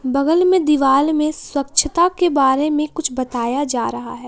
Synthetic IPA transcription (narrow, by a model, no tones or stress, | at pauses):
bɐɡəlmẽd̪ɪʋaːlmẽswɐkʃʰət̪akebaːɾemẽkʊt͡ʃʰbɐt̪aːjad͡ʒaːɾɐɦa̰ɦɛː